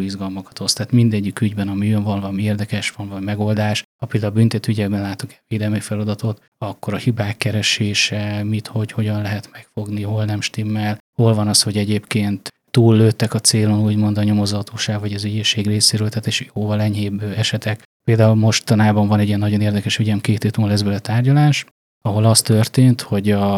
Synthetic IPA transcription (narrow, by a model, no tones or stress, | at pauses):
izɡɒlmɒkɒ̥t̪o̞st̪aːt̪mind̪ɛɟːikyɟbɛnɒmiøɱvɒnvmieːrd̪ɛkɛʃʋɒnvɒɟmɛɡo̞ld̪aːʃhɒpeːld̪aulbynt̪ɛt̪yyɟɛɡbɛnlaːt̪uŋkɛveːd̪ɛlmifɛlɒd̪ɒt̪o̞t̪ | ɒkːo̞ɾɒhibaːkːɛɾɛʃeːʃɛmit̪ho̞cho̞ɟɒnlɛɦɛt̪mɛkfo̞ɡniho̞lnɛmʃt̪imːɛlho̞lvɒnɒsho̞ɟɛɟeːpkeːnt̪ːuːlːøːt̪ːɛkɒt̪seːlo̞nuːɟmo̞nd̪ɒɲo̞mo̞zɒt̪oːʃaːɡvɒɟɒzyɟeːʃeːɡreːseːɾøːlt̪ʰaːt̪eʃjoːvɒlɛɲɦeːbɛʃɛt̪ɛk | peːld̪aːulmo̞ʃtt̪ɒnaːbɒɱvɒnɛɟijɛnːɒɟo̞neːrd̪ɛkɛʃyɟɛmkeːt̪eːt̪ulːɛzbølɛt̪aːrɟɒlaːʃ | ɒɦo̞lɒst̪ø̞rt̪eːnt̪ho̞ɟɒ